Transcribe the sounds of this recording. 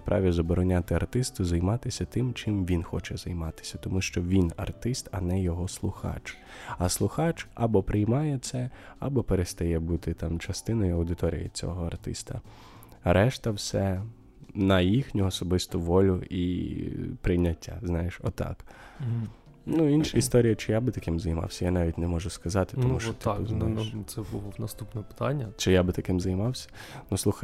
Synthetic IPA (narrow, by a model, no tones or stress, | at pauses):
pɾɑ̰ʋʲizɐbɔɾɔnʲat̪ɪɐrt̪ɪst̪ʊzɐjmɑt̪ɪsʲɐt̪ɪmt͡ʃɪmʋʲinxɔt͡ʃɛzɐjmɑt̪ɪ̥sʲɐt̪ɔmuʃt͡ʃɔʋʲinɐ̰rt̪ɪst̪ɐnɛjɔɦɔslˠʊxɑ̰t͡ʃ | ɐslˠʊxɑt͡ʃɐbɔpɾɪjmɑjɛt̪sɛɐ̰bɔpeɾest̪ɐjɛbut̪ɪt̪ɑmt͡ʃɐst̪ɪnɔjʊɐwd̪ɪt̪ɔɾʲḭjɪ̰t͡sʲɔ̰ɦɔɐrt̪ɪ̰st̪ɐ | ɾɛʃt̪ɐwsɛ | nɐjixnʲʊɔsɔbɪst̪ʊʋɔlʲʊi | pɾɪjnʲːɐtʲːa̰znɑjeʃɔ̰t̪ɑ̰k | nuinʃɐist̪ɔɾʲijɐt͡ʃɪjabɪt̪ɐkɪmzɐjmɑ̰wsʲɐjanɑʋʲitʲnɛmɔʒʊskɐzɑt̪ɪ̥t̪ɔmuʃɔt̪ | sɛbulˠɔnɐst̪upnɔpɪ̥t̪ɑnʲːɐt͡ʃɪjabɪt̪ɐkɪmzɐjmɑwsʲɐ̥ | nusˠuxɐ